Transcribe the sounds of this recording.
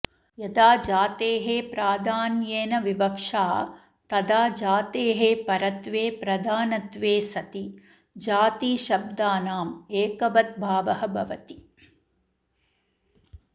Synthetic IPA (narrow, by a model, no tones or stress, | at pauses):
jɐd̪aːd͡ʒaːt̪eːɦeːpɾaːd̪ʱaːnjeːnɐʋibɐkʂaː | t̪ɐd̪aːd͡ʒaːt̪eːɦeːpɐɾɐt̪ʋeːpɾɐd̪ʱaːnɐt̪ʋeːsɐt̪i | d͡ʒaːt̪iːʃɐb̚d̪aːnaːmeːkɐbɐt̪̚bʱaːʋɐɦɐbʱɐʋɐt̪i